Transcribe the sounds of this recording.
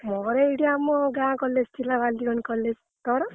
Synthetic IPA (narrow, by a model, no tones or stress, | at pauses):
mɔɾeiɽijamɔɡãkɔlːed͡zt̪ʰilabald̪iɡɔnkɔlːed͡z | t̪ɔɾɔ